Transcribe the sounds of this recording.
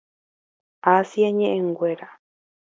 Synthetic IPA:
asjaɲẽʔẽŋɡʷeɾa

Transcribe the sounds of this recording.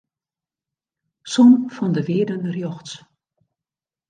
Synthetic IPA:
sɔnfɔndəʋɪːədənrjɔxts

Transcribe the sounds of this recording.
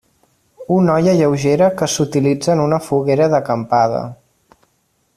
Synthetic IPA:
unɔjəʎəwʒeɾəkəsut̪ilid͡zəːnunəfuɣeɾəðəkəmpaðə̰

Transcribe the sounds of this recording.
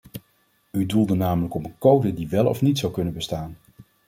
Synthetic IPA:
ydulˠdənaːmələkɔmənkowdədiʋɛlˠɔ̰fnitsɑwkɵnənbəstaːn

